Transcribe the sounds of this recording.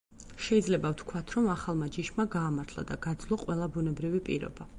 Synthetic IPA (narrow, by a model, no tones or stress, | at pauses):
ʃɛid̪zlɛbaft̪ʰkʰwat̪ʰɾɔmaχalˠmad͡ʒiʃmaɡaːmaɾt̪ʰlˠa̰d̪aɡ̥ad̪zlˠɔqʼwɛlˠabunɛbɾivipʼḭɾɔ̰ba